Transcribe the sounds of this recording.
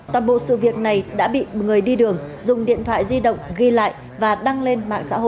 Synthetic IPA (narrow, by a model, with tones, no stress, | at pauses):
t̪waː˨˩nɓo̰˧˨sɨ̰˧˨vi˨˩ək̚na˨˩jɗa̰ː˧˥ɓḭ˧˨ŋɨ˨˩əjɗi˧ɗɨ˨˩əŋzʊ˨˩ŋ͡mɗḭ˧˨ənt̪ʰwa̰ː˧˨jzi˧ɗə̰˧˨wŋ͡mɣi˧la̰ː˧˨j | vaː˨˩ɗa˧ŋle˧nma̰ː˧˨ŋsa̰ː˧˥ho̰˧˨j